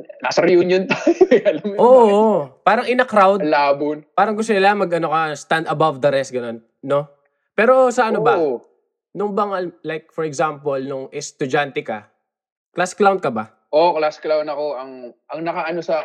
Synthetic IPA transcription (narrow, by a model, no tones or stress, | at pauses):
nɐsɐɾjʊnjʊnt̪ajɐlɐmjoʔpaːɾɐŋʔɪnɐkɾawd̪laːbʊnpaːɾɐŋɡʊst̪ʊnɪlamɐɡɐnokɐst̪and̪ɐbavd̪ɐɾɛst̪̚ɡɐno̞nːo̞ | pɛːɾo̞sɐʔɐnobɐ | nʊŋbɐŋalajk̚fɔɾɛɡzampolnʊŋɛst̪ʊd͡ʒant̪ɛka̰ | klasklawnd̪̚kɐba̰ | ʔoklasklawnd̪ɐkoɐŋʔɐŋnɐkaʔɐnosɐ